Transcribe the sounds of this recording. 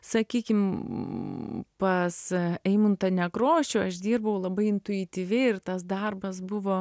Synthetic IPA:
sɐkʲiːkʲɪm | pɐsɛɪmʊnt̪ɐnʲɛkɾoːʃʲʊɐʃd̪ʲiːrbɐʋɐʊlˠɐbɐɪɪnt̪ʊɪt̪ʲiʋʲɛɪɪrt̪ɐsd̪ɐrbɐsbʊʋoː

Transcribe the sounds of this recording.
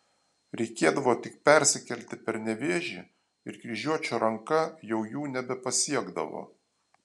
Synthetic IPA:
ɾʲɛɪkʲeːd̪ɐʋoːt̪ʲɪk̚pʲɛɾʲsʲɪkʲɛlʲt̪ʲɪpʲɛɾnʲɛʋʲeːʒʲiː | ɪɾkɾʲiʒʲuɔt͡ʃʲoːɾʔɐŋkɐjɛʊjuːnʲɛbʲɛpɐsʲiɛɡd̪ɐ̰ʋo̰ː

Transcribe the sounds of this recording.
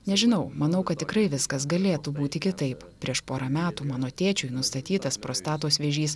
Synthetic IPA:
nʲɛʒʲɪnɐʊmɐnɐʊkɐt̪̚ʲtʲɪkɾɐɪʋʲɪskɐsɡɐlʲeːt̪ubuːt̪ʲɪkʲɪt̪ɐɪp | pʲɾʲiɛʃpoːɾɐmʲæːt̪uːmɑːnoːt̪ʲeːt͡ʃʲʊɪnʊst̪ɐt̪ʲiːt̪ɐspɾoːst̪ɑːt̪oːsʋʲeːʒʲiːs

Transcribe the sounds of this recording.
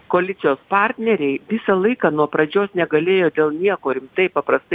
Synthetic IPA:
koːlʲɪt̪sʲɪjoːspɑˑɾʲt̪ʲnʲɛɾʲɛɪʋʲɪsɐlˠɐɪkɑːnuɔpɾɐd͡ʒʲoːsnʲɛɡɐlʲeːjoːd̪ʲeːlˠnʲiɛkoːɾʲɪmt̪ɐɪpɐpɾɐst̪ɐ

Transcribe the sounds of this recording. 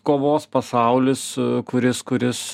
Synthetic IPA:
koːʋoːspɐsɐˑʊlʲɪskʊɾʲɪskʊɾʲɪs

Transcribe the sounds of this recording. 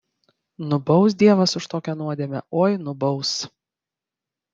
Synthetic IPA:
nʊbɒʊs̬d̪ʲiɛʋɐsʊʃt̪oːkʲɛnuɔd̪ʲiɛmʲɛ̰oːjnʊbɒʊs

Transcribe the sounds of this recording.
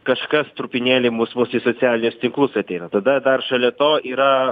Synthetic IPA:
kɐʃkɐst̪ɾupʲɪnʲeːlʲɪmuːsmusʲisoːt͡s̪ʲæːlʲɪnʲʊst̪ʲɪŋklˠʊsɐt̪ʲɛɪnɐt̪ɐd̪ɐd̪ɐrʃɐlʲɛt̪oːiːɾɐ

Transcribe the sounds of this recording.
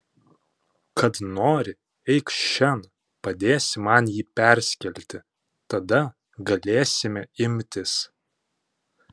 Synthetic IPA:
kɐt̪noːɾʲɪ | ɛɪkʃʲɛn | pɐd̪ʲeːsʲmɐnjiːpʲæˑɾʲsʲkʲɛlʲt̪ʲɪ | t̪ɐd̪ɐ | ɡɐlʲeːsʲɪmʲɛɪmʲt̪ʲɪs

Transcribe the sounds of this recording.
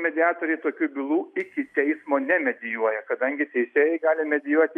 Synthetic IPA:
mʲɛd̪ʲɪɑːt̪oːɾʲɛɪt̪oːkʲuːbʲɪlˠuːɪkʲɪt̪ʲɛɪsmoːnʲɛmʲɛd̪ʲɪjuɔjɛkɐd̪ɐŋʲɡʲɪt̪ʲɛɪsʲeːjɛɪɡɑːlʲɪmʲɛd̪ʲɪjuɔt̪ʲɪ

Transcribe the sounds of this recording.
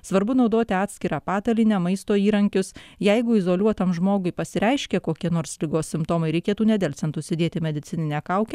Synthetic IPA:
sʋɐɾbʊnɒʊd̪oːt̪ʲɪɑːt̪ʲsʲkʲɪɾɑːpɑːt̪ɐlʲinʲɛmɐɪst̪oːiːɾɐŋʲkʲʊsjɛɪɡʊɪzoːlʲuɔt̪ɐmʒmoːɡʊɪpɐsʲɪɾʲɛɪʃʲkʲɛkoːkʲiɛnoːɾslʲɪɡoːssʲɪmpt̪oːmɐɪɾʲɛɪkʲeːt̪uːnʲɛd̪ʲɛlʲtsʲɛnt̪ʊsʲɪd̪ʲeːt̪ʲɪmʲɛd̪ʲɪt̪sʲɪnʲɪnʲɛːkɐʊkʲɛ

